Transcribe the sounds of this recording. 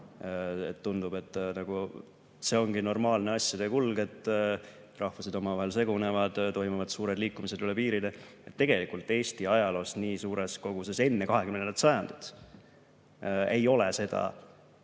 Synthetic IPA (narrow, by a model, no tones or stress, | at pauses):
et̪ːund̪ub̥e̞t̪ːˑnɑɡ̥u | se̞o̞ŋɡ̥ino̞rmɑːlneɑsːjɑd̪ekulɡ̥e̞t̪ːˑ | rʔɑhvuse̞d̪o̞mɑvɑɦe̞lse̞ɡ̥une̞vɑd̪̥t̪o̞jmuvɑd̪̥suːɾe̞d̪liːkːˑumise̞d̪ylepiːɾid̪eet̪ːe̞ɡe̞likult̪ːˑe̞ːst̪iɑjɑlo̞ːsniːsuːɾe̞sko̞ɡ̥use̞se̞nːe̞kɑɦe̞kymnet̪sɑjɑnd̪̥ud̪̥ | e̞jo̞le̞se̞d̪̥ɑ̰